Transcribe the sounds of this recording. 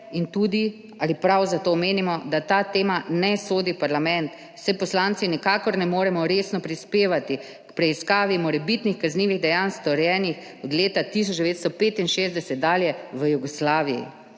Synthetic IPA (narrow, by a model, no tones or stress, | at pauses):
int̪uːd̪i | alipɾawzat̪oːmeːnimɔd̪at̪aːt̪eːmanɛsoːd̪ipaɾlamɛ̃nt̪ | sɛpɔslaːnt̪sinɛkaːkɔɾnɛmoːɾɛmɔɾesnɔpɾispeːʋat̪i | kpɾɛiskaːʋimɔɾɛbit̪nixkazniːʋiɣd̪ɛjanst̪ɔɾjɛːnix | ɔd̪leːt̪at̪is̬ɔt͡ʃd̪ɛʋeːt̪st̪ɔpeːt̪inʃeːzd̪ɛsɛt̪̚d̪aːljɛʋəjuɡɔslaːʋijḭ